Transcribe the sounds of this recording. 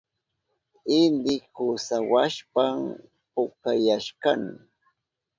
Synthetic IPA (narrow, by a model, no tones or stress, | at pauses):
ɪnd̪ɪkʊsawaʃpam | pʊkajaʃkan